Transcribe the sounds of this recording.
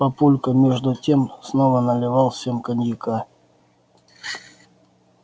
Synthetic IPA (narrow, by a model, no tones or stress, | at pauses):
pɐpulʲkəmʲeʐd̪ʊtʲemsnovənəlʲɪvɑlˠsʲemkənʲjɪka